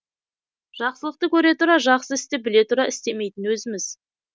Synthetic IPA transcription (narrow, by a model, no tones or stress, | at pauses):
ʒ̥ɑqsəlˠəqt̪əkʲʰɵɾe̞t̪ʊɾɑʒɑqsəɪst̪ebɪle̞t̪ʊɾɑɪst̪e̞me̞jt̪ɪnwɵzɪmɪz̥